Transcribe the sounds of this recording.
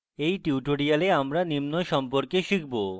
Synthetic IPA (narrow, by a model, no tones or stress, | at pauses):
ejʈiuʈoɾialeamɾanimnoʃɔmpoɾkeʃik̚ʰbo